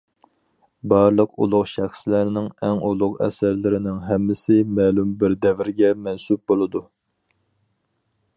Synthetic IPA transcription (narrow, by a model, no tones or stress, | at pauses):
bɑɾlˠəqṵlˠʊqʃæχslæɾnɪŋɛŋulˠʊqɛ̰sæɾlɪɾɪnɪŋɦɛmːɪsɪmɛːlumbɪɾd̪ɛvɪɾɪɡʲɛmɛnsup̚bolˠɨd̪u